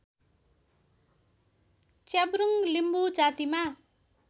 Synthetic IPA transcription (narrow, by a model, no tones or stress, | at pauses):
t͡sabɾuŋlimbud͡zat̪ima